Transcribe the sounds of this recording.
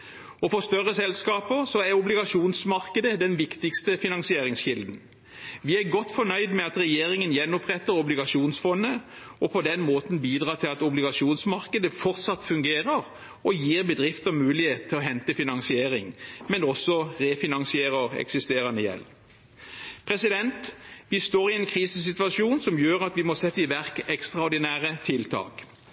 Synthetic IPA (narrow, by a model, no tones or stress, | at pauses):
ɔfɔʁst̪œʁːəsɛlskɑːpəsɔæʁʊblɪɡɑʂuːnsmɑʁkəd̪əd̪ɛnʋɪkt̪ɪkst̪əfɪnɑŋsɪeːɾɪŋsɕɪld̪n̩ | ʋɪæɡɔt̪ːfɔnœʏd̪mɛɑt̪ʁɛjeːɾɪŋənjɛnːɔpʁɛt̪ːəɾɔblɪɡɑʃuːnsfɔnːə | ɔpʰɔd̪ɛnmoːt̪n̩biːd̪ʁɑːt̪ʰɪlɑt̪ʊblɪɡɑʃuːnsmɑʁkəd̪əfɔʁt̪sɑt̪fʉŋɡeːʁəʁ | ɔjiːʁbəd̪ʁɪft̪əmʉːlɪheːt̪̚ʰːɪɔɦɛnt̪əfɪnɑŋsɪeːʁɪŋmɛnɔsːɔʁeːfɪnɑŋsɪeːʁəʁɛ̰ksɪst̪eːʁɑnəjɛ̰l | pʰʁɛsɪd̪ɛnt̪ʋɪst̪oːɾʁɪɛnkʰɾiːsəsɪt̪ʋɑʃuːnsɔmjøːʁɑt̪ʋɪmɔsɛt̪ːəɪʋæʁkɛkst̪ʁɑɔɾd̪ɪnæːʁət̪ʰɪlt̪ʰɑ̰ːk